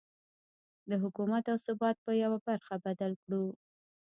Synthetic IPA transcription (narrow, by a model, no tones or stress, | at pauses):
d̪əɦʊkumat̪awsʊbɑt̪̚pəjawabaɾxabad̪alkɽu